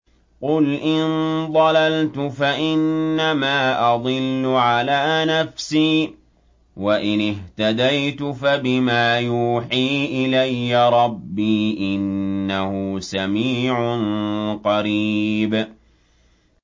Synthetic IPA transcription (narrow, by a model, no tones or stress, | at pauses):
qʊlʔɪnd̪ˤɑlalt̪ʊfaʔɪnːamaːʔɑd̪ˤɨlːʊʕalaːnafsiː | waʔɪnɪht̪ad̪ajt̪ʊfabɪmaːjuːħiːʔɪlajːaɾˤɑbːiːʔɪnːahʊsamiːʕʊnqɑɾiːb